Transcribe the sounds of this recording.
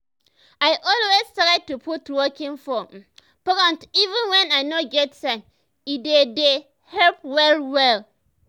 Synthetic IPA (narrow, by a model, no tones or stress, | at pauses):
aɪʔɔlwezstaɾɛd̚tupʰutuwɔkʰɪ̃nfɔ | pɔɾɔ̃ntivə̃nwɛ̃naɪnɔ̃ɡɛtsãn | idede | hɛlpwɛlwɛl